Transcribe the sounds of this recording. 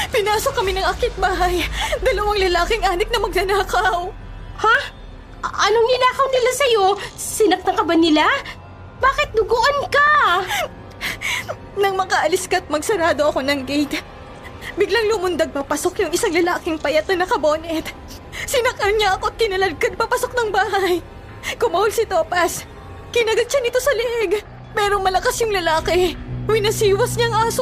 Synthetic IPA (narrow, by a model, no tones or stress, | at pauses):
pɪnaːso̞kːɐmɪnɐŋʔɐkɪt̪̚baːɦɐjd̪ɐlɐwaŋlɐlaːkɪŋʔaːnɪk̚nɐmɐɡ̚lɐnaːkɐw | ha | ʔɐnonɪlaːkɐwnɪlasɐjo̞sɪnɐk̚t̪ɐŋkɐbɐnɪla | baːkɪt̪̚d̪ʊɡoʔɐnkɐ | nɐŋmɐkaʔɐlɪskɐt̪̚mɐɡsɐɾaːd̪o̞ʔɐko̞nɐŋɡɛjt̪ | bɪɡlɐŋlʊmʊnd̪ɐɡ̚pɐpɐso̞kjʊŋɪsaŋlɐlaːkɪŋpɐjɐt̪̚nɐnɐkɐbo̞ːnɛt̪ | sɪnɐkɐnɲɐʔɐko̞ɐt̪̚kɪnɐlɐd̚kɐd̪̚pɐpɐsok̚nɐŋbaːhɐj | kʊmɐholsɪt̪oːpɐs | kɪnɐɡɐd̪̚t͡ʃɐnɪt̪o̞sɐlɪʔɛɡ | pɛːɾo̞mɐlɐkasjʊŋlɐlaːkɛwɪnɐsiːwɐsɲɐŋʔaːso